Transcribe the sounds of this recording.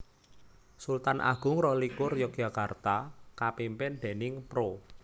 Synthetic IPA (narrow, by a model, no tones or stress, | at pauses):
sult̪anʔa̰ɡ̥ʊ̤ŋrɔlikʊrjɔk̚ʒ̥a̤kart̪akapimpɪnd̪̥ɛ̤nɪŋpɾo